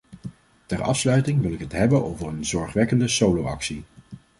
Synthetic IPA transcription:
tɛrɑ̰fslœɥtɪŋʋɪlˠɪkɦətɦɛbənowvərənzɔɹχʋɛkəndəsowlowɑ̰ksi

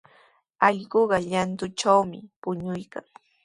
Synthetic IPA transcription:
ɑʎɢoɢɑʎant̪ʊt͡ʃawmɪ̰pʊɲʊjkaŋ

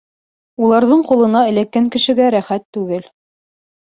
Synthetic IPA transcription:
ulˠɑɾðɤɴqulˠɤ̆nɑɘ̆lækːæŋkɘ̆ʃɘ̆ɡæɾæχæt̪ːʉɡɘl

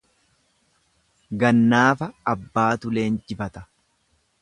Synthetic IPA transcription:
ɡɐnːaːfɐːbːaːt̪ʊle̞ːnd͡ʒɪfɐt̪ɐ̥

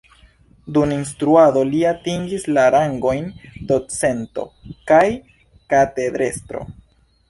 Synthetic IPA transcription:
duninstɾuado̞liatiŋɡislaɾaŋɡo̞jndo̞t͡se̞nto̞̰kaj | kate̞d̪ɾe̞stɾo̞̰

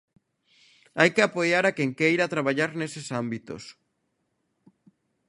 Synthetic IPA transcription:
ajkeapojaɾakeŋkejɾat̪ɾaβaʎaɾnesesambit̪o̰s

